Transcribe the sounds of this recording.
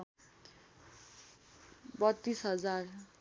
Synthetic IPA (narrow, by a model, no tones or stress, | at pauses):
bʌt̪ːisɦʌd͡zar